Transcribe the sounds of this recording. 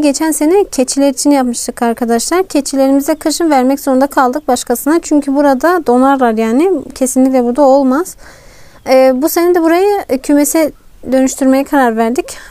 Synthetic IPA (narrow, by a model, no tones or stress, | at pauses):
ɟe̞t͡ʃʰænse̞nɛcʰet͡ʃʰilʲɛɾit͡ʃʰinjapmɯʃt̪ʰɯkaɾkʰad̪aʃlˠaɾcʰet͡ʃʰilʲe̞ɾimizd̪ɛkʰɯʃɯnvæɾmɛcz̥o̞ɾund̪akʰalˠd̪ɯk̚baʃkʰasɯnat͡ʃʰyɲcʰybuɾad̪ad̪o̞naɾlˠaɾjaːnɪcʰe̞sinlʲic̬ʲlʲɛbuɾd̪ao̞lˠmaz̥ | ɛːbuse̞nɛd̪ɛbuɾajɯcʰymesɛd̪ø̞nyʃt̪ʰyɾme̞jɛkʰaɾaɾvæɾd̪ic